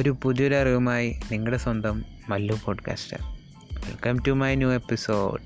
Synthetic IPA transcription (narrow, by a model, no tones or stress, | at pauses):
oɾupuðjɾeɐriʋɐmaːjiniŋːɐɭɽeswɐnd̪ɐmː | ɐlːupo̞ːɖka̰ːsʈɨ̰ | ʋḭlkɐmtumɐjnjuːepːiso̰ːɖ